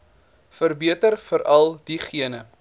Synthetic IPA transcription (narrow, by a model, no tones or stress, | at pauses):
fərbiətərfəɾɐlˠdiχiənə